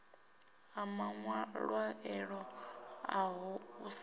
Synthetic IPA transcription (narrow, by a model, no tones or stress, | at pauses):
amaŋwaɺwaɛɺɔaɦuus